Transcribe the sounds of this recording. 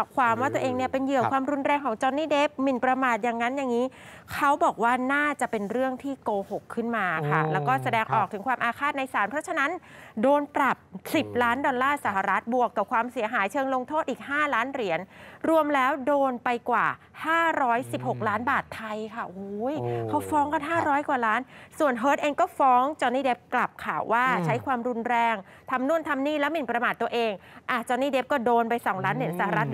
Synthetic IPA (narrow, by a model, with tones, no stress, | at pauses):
a˨˩kʰwaː˧mwaː˥˩t̪u˧əʔeː˧ŋni˥˩ɐpe˧njɯ˨˩əkwaː˧mɾu˧nɾɛː˧ŋkʰɔː˩˦ŋt͡ɕɔ˧nːiː˥˩deː˦˥p̚mi˨˩npɾa˧maː˨˩t̪̚ja˨˩ŋːa˦˥nja˨˩ŋːiː˦˥ | kʰa˦˥wbɔː˨˩k̚waː˥˩naː˥˩t͡ɕa˨˩pe˧nɾɯ˥˩əŋt̪ʰiː˥˩koː˧ho˨˩kʰːɯ˥˩nmaː˧kʰa̰˥˩lɛː˦˥wkɔː˥˩sa˧dɛː˧ŋʔɔː˨˩k̪̚ʰɯ˨˩˦ŋkʰwaː˧mʔaː˧kʰaː˥˩t̪̚na˧jsaː˩˦npʰɾɔ˦˥t͡ɕʰa˧na˦˥ndoː˧npɾa˨˩p̚si˨˩p̚laː˦˥ndɔː˧nlaː˥˩sa˩˦ɦa˧ɾa˦˥t̪̚bu˨˩əkːa˨˩p̚kʰwaː˧msi˨˩˦ɦaː˩˦jt͡ɕʰɤː˧ŋlo˧ŋt̪ʰoː˥˩ʔiː˨˩k̚haː˥˩laː˦˥nɾi˨˩˦ənɾu˧əmlɛː˦˥wdoː˧npa˧jkwaː˨˩ | haː˥˩ɾɔː˦˥jsi˨˩p̚ho˨˩k̚laː˦˥nbaː˨˩t̪ʰːa˧jkʰa˥˩ʔu˨˦jkʰa˦˥wfɔː˦˥ŋka˧˩nɦaː˥˩ɾɔː˦˥jkwaː˨˩laː˦˥nsu˨˩ənɦɤː˦˥t̪ʔeː˧ŋkɔː˥˩fɔː˦˥ŋt͡ɕɔː˧niː˥˩de˦˥p̚kla˨˩p̚kʰaː˨˩wwʔaː˥˩t͡ɕʰa˦˥jkʰwaː˧mɾu˧nɾɛː˧ŋ | t̪ʰa˧mnu˥˩ənt̪ʰa˧mniː˥˩lɛː˦˥wmi˨˩npɾa˧maː˨˩t̪ːu˧əʔeː˧ŋʔa˧˨˩t͡ɕɔː˧niː˥˩de˦˥p̚kɔː˥˩doː˧npa˧jsɔː˩˦ŋlaː˦˥nːi˩˦nsa˧˩ha˨˧ɾa˦˥t̪̚